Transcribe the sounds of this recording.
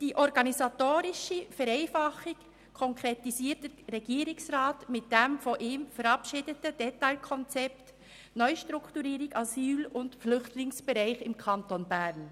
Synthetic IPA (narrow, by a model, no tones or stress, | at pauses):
d̥iːʔɔɾɡɑnizɑtoːɾɪʃəfɛɾeɪfɑχɪk | kʰɔŋkɾetisiːtdəɾɛɡiːɾɪksʁaːtmɪt̚d̥emfoʔiːmfɛɾɑpʃiːdətəd̥ɛtaɪlkʰɔnt͡sɛpt | nœʏʃtɾʊktuɾiːɾɪɡɑzyːlʊntflʏχtʰlɪŋsb̥ɛɾaɪxɪmkʰɑntonbæːɾn